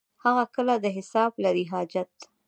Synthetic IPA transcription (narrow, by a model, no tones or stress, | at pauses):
haɣakəlad̪əɦɪsɑblaɾiɦɑd͡ʒat̪̚